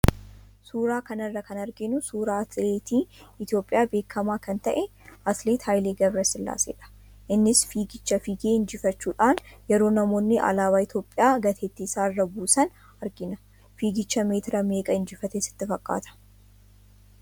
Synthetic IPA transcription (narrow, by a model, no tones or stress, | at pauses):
suːɾaːkɐnɐrːɐkɐnɐɾɡɪnʊsuːɾaːɐt̪leːt̪iːɪt̪jo̞ːpʼɪjaːbe̞ːkʰːɐmaːkɐnt̪ɐʔɛ | ɐt̪leːt̪haːjleːɡɐbɾɐsɪlːa̰ːsḛːᶑɐ̥ | ʔɪnːɪsfiːɡɪt͡ʃːɐfiːɡeːɪnd͡ʒɪfɐt͡ʃːuːᶑaːnjɛɾo̞ːnɐmo̞ːnːɪʔɐ̰laːβaːɪt̪jo̞ːpʼːɪjaːɡɐt̪ʰeːt̪ːiːsaːrːɐbuːsɐn | ɐɾɡɪnɐ | fiːɡɪt͡ʃːɐmeːt̪ɪɾɐme̞ːkʼɐɪnd͡ʒɪfɐt̪esɪ̥t̪ːɪfɐkʼːa̰ːt̪ʰɐ̥